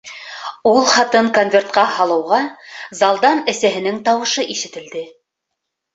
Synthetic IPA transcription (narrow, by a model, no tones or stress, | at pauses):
ulˠχɑt̪ɤŋko̞nvʲe̞rt̪qɑhɑlˠɤ̆wʁɑzɑlˠd̪ɑnɘ̆sæɦɘ̆nɘŋt̪ɑwɤ̆ʃɤʔiʃɘ̆t̪ɘ̆ld̪ɘ